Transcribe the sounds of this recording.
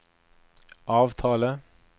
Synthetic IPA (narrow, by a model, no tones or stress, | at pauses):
ʔɑːʋt̪ʰɑːlə